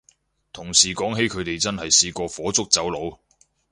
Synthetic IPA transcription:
t̪ʰʊ˨˩ŋsiː˨˩kɔː˨˥ŋɦe˨˥jkʰɵ˨˧ɥt̪e˨jt͡sɐ˥nhɐ˨jsiː˧kʷɔː˧fɔː˨˥t͡sʊ˥k̚t͡sɐ˨˥wlo˨˧w

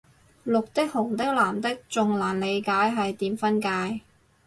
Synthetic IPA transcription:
lʊ˨k̚t̪ɪ˥k̚hʊ˨˩ŋt̪ɪ˥k̚laː˨˩mt̪ɪ˥k̚t͡sʊ˨ŋlaː˨˩nle˨˧jkaː˨˥jɦɐ˨jt̪iː˨˥mfɐ˥nkaː˧j

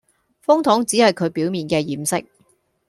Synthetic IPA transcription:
fʊ˥ŋt̪ʰɔː˨˥ŋt͡siː˨˥hɐ˨jkʰɵ˨˧ɥpiː˨˥wmiː˨nkɛː˧jiː˨msɪ̰˥k̚

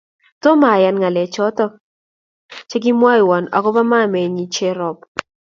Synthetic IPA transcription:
to˦ma˨ja˨nŋa˨lɛ˨t͡ʃɔ˦tɔ˦k̚ | t͡ʃe˦ɡi˦mwa˦i˨wa˨na̰˨kɔ˦pa˦ma˦mɛ˨ɲi˦t͡ʃe˦ɾɔ˨p

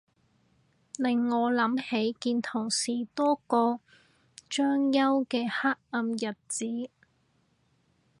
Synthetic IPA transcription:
lɪ˨˩ŋːɔː˨˧lɐ˨˥mhe˨˥jkiː˧nt̪ʰʊ˨˩ŋsiː˨˩t̪ɔː˥kɔː˧ | t͡ʃœː˥ŋjɐ˥wkɛː˧haː˥k̚ɐ˧mjɐ˨˩t̚t͡siː˨˥

